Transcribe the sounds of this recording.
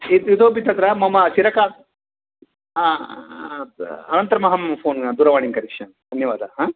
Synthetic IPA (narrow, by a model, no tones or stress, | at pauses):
iid̪oːbit̪ːɐt̪ɾɐmɐmɐt͡ʃiɾɐka | ɐnɐnt̪ɐɾɐmɐɦɐmpʰoːnɐd̪uːɾɐʋaːɳiŋkɐɾikʂɐ | d̪ʱɐnjɐʋaːd̪ʱɐɦaː